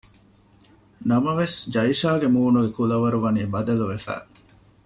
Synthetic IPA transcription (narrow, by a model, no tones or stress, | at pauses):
nɐmɐʋesd͡ʒɐiʃaːɡemuːnuɡekulɐʋɐɾuʋɐniːbɐd̪ɐluʋefæ̰ː